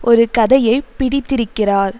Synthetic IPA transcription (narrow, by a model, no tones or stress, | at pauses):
ʔɔɾɯkɐðɐjɐɪpːɪɽɪt̪ːɪɾɯkːɪraːɾ